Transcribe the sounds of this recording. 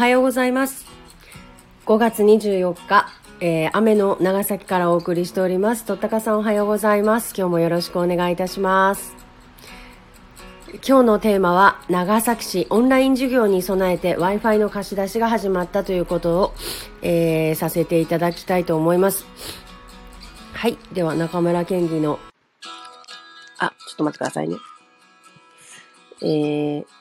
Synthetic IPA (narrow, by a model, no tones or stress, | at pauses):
oɦajo̞ːɡo̞zaimasɨ̥ | ɡ̥o̞ɡat͡sɨɲ̟iʑɨːjo̞kːa | eːame̞no̞naɡasakʲi̥kaɾao̞ːkɯ̟ɾʲiɕi̥t̪e̞o̞ɾʲimasɨ̥t̪o̞t̪ːakasãɰ̃o̞ɦajo̞ːɡo̞zaimasɨ̥kʲo̞ːmo̞jo̞ɾo̞ɕi̥kɯ̟one̞ɡait̪aɕimasɨ̥ | kʲo̞ːno̞t̪e̞ːmaβanaɡasaki̥ɕiʔõ̞nɾaĩɲ̟d͡ʑɨɡʲo̞ːɲ̟iso̞nae̞t̪e̞βaiɸaino̞kaɕid̪aɕiɡaɦaʑimat̪ːat̪o̞jɯ̟ːko̞t̪o̞ːeːsase̞t̪e̞it̪ad̪akʲi̥t̪ait̪o̞ːmo̞imasɨ̥ | haid̪e̞βanakamɯ̟ɾakẽ̞ŋɡʲino̞ | a̰t͡ɕot̪omat̪ːe̥kɯd̪a̰sa̰ḭnḛ | eː